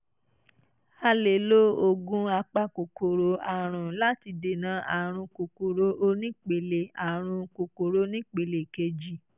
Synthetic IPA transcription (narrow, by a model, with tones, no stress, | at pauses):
a˧le˨lo˦o˧ɡũ˦a˧k͡pa˦˧ko˨kʰo˨ɾo˨a˨ɾ̃ũ˨la˦ti˧de˨nã˨˦ʔa˨ɾ̃ũ˧ko˨ko˨ɾo˦ʔo˧˦nĩ˦k͡pe˨le˨a˨ɾ̃ũ˧ko˨ko˨ɾo˦nĩ˦k͡pe˨le˨ke˧d͡ʒi˨